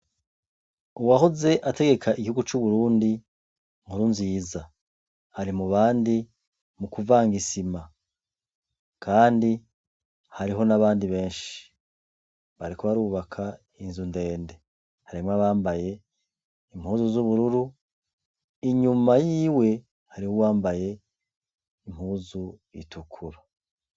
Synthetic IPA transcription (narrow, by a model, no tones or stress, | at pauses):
uwaɦoze̞ʔate̞ɡe̞kʰaʔiɡihuɡut͡ʃuβuɾuːndi | ŋ̥uɾunziːza | haɾimuβaːndi | mukuvaːŋɡisima | kʰaːndi | haɾiɦo̞naβaːndiβe̞ːnʃi̥ | βaɾikoβaɾuːβakʰa | inzunde̞ːnde̞ | haɾimŋaβaːmbaje̞ | im̥huːzuzuβuɾuɾu | iɲumajiːwe̞ | haɾiwuwaːmbaje̞ | im̥huːzuḭtʰukʰuɾa